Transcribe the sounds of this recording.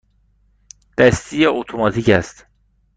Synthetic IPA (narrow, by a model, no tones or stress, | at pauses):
d̪̥æst̪ʰijeʔot̪ʰomɒt̪ʰicæst̪